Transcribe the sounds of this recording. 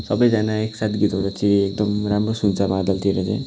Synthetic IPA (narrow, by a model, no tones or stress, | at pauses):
sʌbʌjd͡zanaeksat̪ʰɡit̪oɾat͡sʰĩek̚d̪ʌmramrosunt͡sabãd̪ʌlt̪ʰieɾʌt͡sã̰